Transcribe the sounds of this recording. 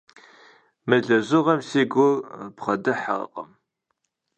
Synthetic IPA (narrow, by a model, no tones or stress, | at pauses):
mɨɮɐzʷʊʁɐmseːɡʷʊrbχɐdɨħa̰qʼə̰m